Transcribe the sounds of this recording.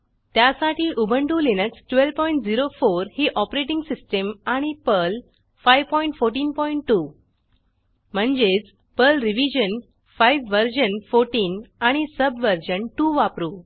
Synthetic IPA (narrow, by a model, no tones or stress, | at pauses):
t̪jasaʈʰiːʔubʱəɳʈuːlinəksʈʋelpɔ̃iɳʈd͡ziɾofoɾhiːʔɔpɾeʈ̬ĩŋɡsisʈəmaɽ̃ipəl | fajʋpɔiɳʈfoɾʈ̬iːnpɔiɳʈːu | m̤əɳd͡zet͡s | pəlɾiʋid͡ʑən | fajʋʋəɾd͡ʑənfoɾʈiːnaɽ̃isəbʋəɾd͡ʑənʈuʋapɾuː